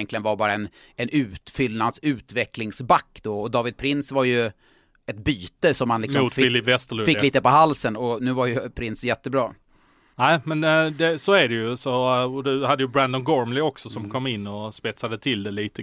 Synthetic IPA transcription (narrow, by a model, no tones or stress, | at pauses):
nklɪənvaɾbɑːɾaɛn | ɛnʉ̟ːt̪fʏlnad̪sʉ̟ːt̪vɛklɪŋsbakːd̪̥ɔɔd̪ɑːvɪd̪̚pʰɾɪnsvaɾjɵ | ɛt̪̚byːt̪əsɔmhanlɪkksɔuːt̪ɪlɪpvɛst̪əɭɵfɪk̪lliːt̪əpɔɦalːsənɔnʉ̟ːvaɾjɵpʰɾɪnsjɛt̪ːəbɾɑː | næɪmɛnd̪ɛsoːæɖɛjɵsɔɔd̪ɵhad̪ːəjəbɾænd̪ɔnɡɔɹmlɪɔksɔsɔmkʰɔmːɪnːɔspɛt̪sad̪ət̪ʰɪld̪ɛliːt̪ə